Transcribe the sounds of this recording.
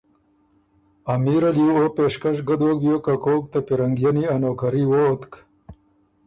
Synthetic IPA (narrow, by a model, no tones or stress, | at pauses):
ɐmiɾɐljuopeːʂkɐʂɡɐd̪oɡjokɐkoːk̚t̪ɐpiɾɐŋɡjɐniɐnoːkɐɾiwoːt̪k